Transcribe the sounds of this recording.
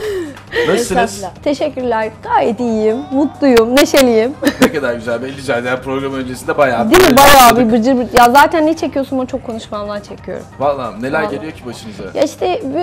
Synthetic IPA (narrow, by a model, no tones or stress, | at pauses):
mesiɯzt̪ʰe̞ʃɛcːyɾlʲæɾɡ̥aːjɛt̪ijjimːut̪lˠujumneʃelʲijimnekad̪aɾɟyzælʲbɛlʲːiɟyzælʲd̪ijæɾpɾo̞ɡɾamɯø̞nd͡ʒesind̪ɛbajaːd̪imibajaːbibɯɾd͡ʒɯɾbijazaːt̪ʰænːɛt͡ʃʰe̞cijo̞sunamat͡ʃʰo̞kʰːo̞nuʃmamlˠaɾt͡ʃʰe̞cʰijo̰ɾumvalˠːanelʲæɾɟelʲijo̞cʰibaʃɯnɯzɯja̰iʃt̪ʰɛb